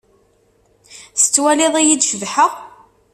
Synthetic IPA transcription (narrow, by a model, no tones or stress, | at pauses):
θə̥t͡sːwælɪðˤæjid̪ʃəvħəʁ